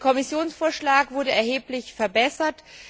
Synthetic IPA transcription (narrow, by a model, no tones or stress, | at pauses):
kʰɔmɪsjoːnsfoːɐʃlaːkvʊɐdəɛɐheːplɪçfɛɐbɛsɐt